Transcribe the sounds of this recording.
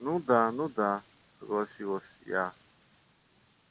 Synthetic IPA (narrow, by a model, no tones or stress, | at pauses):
nũd̪ãnũd̪ã | ɡosiwosja̰